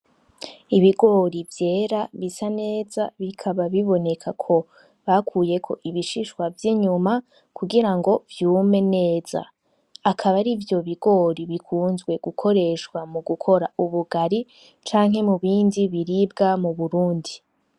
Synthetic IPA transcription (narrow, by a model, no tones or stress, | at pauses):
iβiɡo̞ɾivje̞ːɾaβisane̞ːzaβikʰaβaβiβo̞ne̞kʰakʰo̞ | βakʰuːje̞kʰo̞̰ʔiβiʃiʃwavjiɲuma | kuɡiɾaŋɡo̞vjuːme̞ne̞ːz̥a̰ | akʰaβaɾivjo̞βiɡo̞ɾiβikʰuːnzɡwe̞ɡukʰo̞ɾe̞ʃkwamuɡukʰo̞ɾauβuɡaɾi | t͡ʃaːŋɦe̞muβiːndiβiɾibɡamuβuɾuːndi